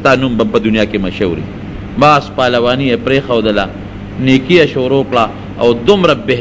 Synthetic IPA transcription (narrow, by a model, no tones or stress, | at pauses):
t̪aːnumbɐpɐd̪unijaːkemɐʃɐwɾḭ | maːspaːlɐwaːnijepɾexɐwd̪ɐla | niːkijɐʃoːɾokɽa | awd̪ʊmɾabeɦ